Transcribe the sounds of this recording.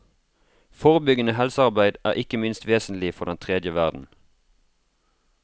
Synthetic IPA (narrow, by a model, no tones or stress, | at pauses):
foːʁəbʏɡənəhɛlsəɑʁbæɪd̪æ̰ːʁʔɪkəmɪnst̪ʋeːsn̩lɪfɔʁd̪ɛnt̪ʰʁɛd̪jəʋæʁd̪n̩